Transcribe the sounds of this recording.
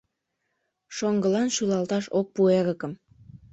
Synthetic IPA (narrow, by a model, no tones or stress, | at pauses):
ʃoŋɡə̆lɑnʃylɑlˠt̪ɑʃok̚pueɾə̆kəm